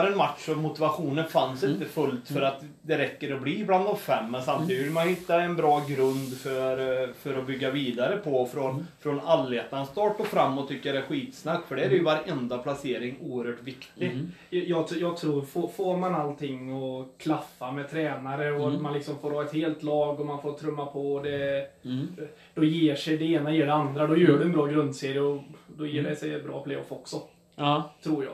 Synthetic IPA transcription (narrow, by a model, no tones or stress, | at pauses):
ɾɛnmat̪ʂɔmʊt̪ɪvaɧuːnənfansɪnt̪əfɵlt̪fœɾat̪ | d̪ɛɾɛkːəɾɔbliːbland̪ɔmfɛmːɛnsamt̪ʰiːd̪ɪvɪlmanjhɪt̪ːaɛnbɾɑːɡɾɵnd̪fœɾfœɾɔbʏɡːaviːd̪aɾəpʰɔfɾɔnfɾɔnalːeːt̪nanst̪ɑːʈɔfɾamːɔt̪ʰːʏkːəjad̪ɛæɧiːt̪snakt̪fœɖɛæɾɛɾjɵvaɾɛnd̪apʰlaseːɾɪŋuːəɾhœːʈvɪkt̪ɪɡ | jjɑːɡjɑːɡt̪ʰɾuːɾfoːfoːɾmanalt̪ʰɪŋːɔkʰlafːamɛt̪ʰɾɛːnaɾəɔmanlɪksɔmfoːɾhɑːɛt̪heːlt̪lɑːɡɔmanfoːɾt̪ʰɾɵmːapʰɔd̪ɛ | d̪̥ɔjeːʂɛjd̪ɛeːnajeːɖɛand̪ɾad̪ɔjœːɖɵɛnbɾɑːɡɾɵnd̪seːɾɪəɔd̪ɔjeːɖɛsɛjbɾɑ̰ːpʰleːɔ̰fɔksɔ | t̪ʰɾuːɾjɑ̰ːɡ